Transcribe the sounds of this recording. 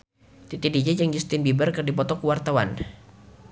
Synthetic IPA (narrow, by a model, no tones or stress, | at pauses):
t̪it̪idid͡ʒad͡ʒaŋd͡ʒust̪ɪnbibərkərdipɔt̪ɔkuwart̪awan